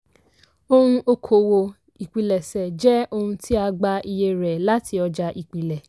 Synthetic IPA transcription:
o˧hũ˧ʔo˧kʰo˨˦wo˧ | i˨k͡pi˨lɛ˨sɛ˨d͡ʒɛ˦o˧hũ˧ti˦a˧ɡ͡ba˧i˧je˧ɾɛ˨la˨˦tʰi˧ɔ˧d͡ʒa˧ʔi˨k͡pi˨lɛ˨

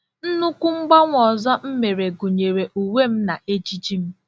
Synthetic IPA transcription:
n̩˦nʊ˦kʷu˦ŋ͡m̩˦ɡ͡ba˦ŋʷɔ˨zɔ˦m̩˦me˨ɾe˨ɡu˨ɲe˨ɾe˨ʔu˨we˦˨m̩˦na˨ʔe˦t͡ʃi˦t͡ʃi˦m̩˦

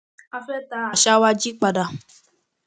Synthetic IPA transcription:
a˧fɛ˦t̪a˨˦a˨ʃa˦wa˦d͡ʒi˦k͡pa˨da˨

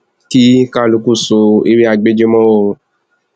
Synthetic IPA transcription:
ki˦ka˦˨lu˨˧ku˦˨so˧i˧˦ɾi˦a˧ɡ͡be˦d͡ʒe˦mɔ̃˦wõ˦˨˧

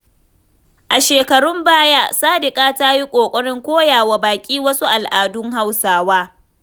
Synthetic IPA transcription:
ʔa˨ʃeː˨kɐ˨ɽʊ˦mbaː˦jaː˦saː˦dɪ˨kʼaː˦taː˦ji˦kʷʼoː˨kʷʼɐ˦ɽɪ˦ŋkʷoː˦jaː˨wa˨baː˨kʲʼiː˦wɐ˦su˦ʔa˨lʔaː˨dʊ˦ŋɦa˦wsaː˦waː˦

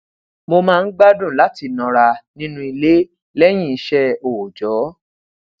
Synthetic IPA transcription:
mo˧mãː˦˧n̩˦ɡ͡ba˦dũ˦˨la˨˦ti˧˨nɔ̃˨˧ɾa˧nĩ˦nũ˦i˧le˦ | lɛ˦j̃ĩ˦i˧ʃɛ˧oː˨d͡ʒɔ˨˦

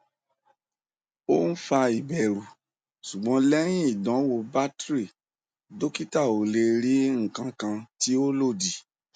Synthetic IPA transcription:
o˦n̩˦fa˧i˨bɛ˨ɾu˨ | su˨ɡ͡bɔ̃˨˧˦lɛ˦j̃ĩ˦i˦˨dɔ̃˨˦wo˧ba˦tɾi˦˨ | do˦ki˦ta˦˨o˨le˧ɾi˨˦ŋ̩˦˨kã˧kã˧ti˦o˦lo˦˨di˨

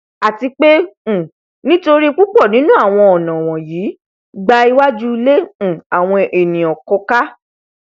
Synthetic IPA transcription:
a˨ti˧k͡pẽ˦˨ | nĩ˦to˧ɾi˦˧k͡pu˦k͡pɔ˦˨nĩ˨˦nũ˦a˦˨w̃ɔ̃˧ɔ˨nã˨w̃ɔ̃˨jiː˨˦ | ɡ͡ba˧i˧wa˦d͡ʒu˦˧lẽ˦˨a˨w̃ɔ̃˧e˨nĩ˨ɔ˨kɔ˧ka˦

